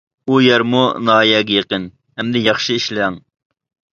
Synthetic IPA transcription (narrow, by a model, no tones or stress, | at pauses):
ujɛɾmunɑːjɛːɡʲɛjeqən | hɛmd̪ɛjɑχʃɨiʃlɛŋ